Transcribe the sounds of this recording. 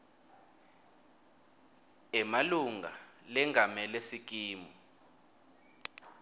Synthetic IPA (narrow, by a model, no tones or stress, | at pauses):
ɛmaluŋɡʱa̰lɛŋʱamɛlesik̬iːmɔ